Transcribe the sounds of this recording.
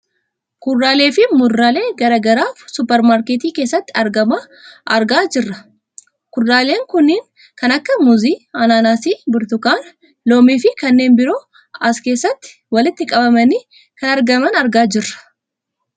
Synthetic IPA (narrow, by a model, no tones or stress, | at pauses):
kʊrːaːle̞ːfɪmʊrːaːle̞ːɡɐɾɐɡɐɾaːfsʊpɛɾmaːɾkeːt̪iːke̞ːsːɐt̪ːɪɐɾɡɐmɐ | ʔɐɾɡaːd͡ʒɪrːɐ | kʊrːaːle̞ːŋkʊnːiːŋ | kɐnɐkːɐmʊziːɐnaːnaːsiːbʊɾt̪ʊkaːn | loːmiːfɪkɐnːe̞ːnbɪɾo̞ː | ɐske̞ːsːɐt̪ːɪ̥ | wɐlɪt̪ːɪkʼɐbɐmɐniː | kɐnɐɾɡɐmɐnɐɾɡaːd͡ʒɪrːɐ̥